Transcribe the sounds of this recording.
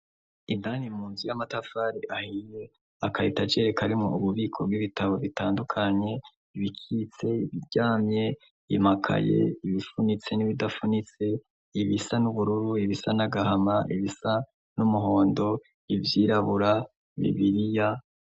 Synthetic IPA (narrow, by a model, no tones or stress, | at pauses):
indanimuːnzijamatafaːɾiʔahije | akaitat͡ʃe̞ɾekʰaɾimŋo̰uβuβiːkʰo̞b̚ɡwiβitaβo̞βitaːndukʰaɲe̞ | iβikʰit͡se̞iβiɟaːmɲe̞ | imakʰa̰je̞̰iβifunit͡se̞niβidafunit͡se̞ | iβisanuβuɾuɾuiβisanaɡahamaʔiβisa | numuɦo̞ːndo̞ | ivjiːɾaβuɾa | iβḭβiɾija